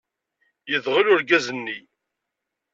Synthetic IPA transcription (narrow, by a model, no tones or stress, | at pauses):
jəðʁəlʊɾɡæzənːi